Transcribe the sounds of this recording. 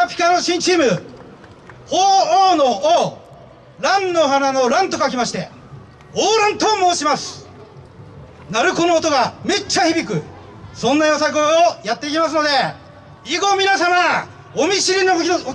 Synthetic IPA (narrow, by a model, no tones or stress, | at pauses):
apʲi̥kanoɕĩɲt͡ɕiːmɯ̟ | hoːoːno | ɾãnːo̞ɦanano̞ɾãnt̪o̞kak̬ʲimaɕi̥t̪e̞ | oːɾɯ̃nt̪omo̞ːɕimasɨ̥ | naɾɯ̟ko̞noːt̪o̞ɡame̞t͡ɕːaçibʲikɯ̟ | sõ̞nːajosakɯojat̪ːe̞ikʲimas̬ɨno̞d̪e̞ | iɡo̞mʲinasama | omʲiɕiɾʲino